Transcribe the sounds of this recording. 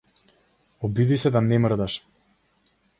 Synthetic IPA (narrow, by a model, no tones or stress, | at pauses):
ɔbid̪isɛd̪anɛmr̩d̪aʃ